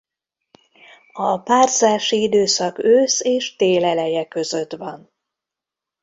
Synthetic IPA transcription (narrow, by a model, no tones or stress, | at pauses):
ɒpaːrzaːʃiid̪øːsɒkøːseːʃt̪eːlɛlɛjɛkø̞zø̞t̪ʋɒn